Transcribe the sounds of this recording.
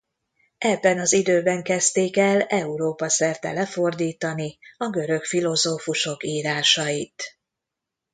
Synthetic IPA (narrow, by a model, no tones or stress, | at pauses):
ɛbːɛnɒzid̪øːbɛŋkɛst̪eːkɛlɛuɾoːpɒsɛrt̪ɛ̰lɛfo̞rd̪iːt̪ɒniɒɡø̞ɾø̞kfilo̞zoːfuʃo̞kiːɾaːʃɒjit̪